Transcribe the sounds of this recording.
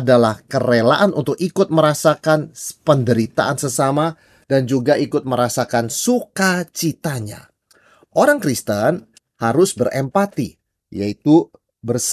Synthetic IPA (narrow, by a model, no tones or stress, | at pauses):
dalahkəɾelaʔanʔṵnt̪ʊk̚ikʊt̪̚məɾasakanpəndəɾit̪a̰ʔansəsama | dand͡ʒuɡaikʊt̪̚məɾasakansukat͡ʃit̪aɲa̰ | ʔoɾaŋkɾist̪ən | haɾʊsbərʔɛmpat̪i | jait̪u | bərs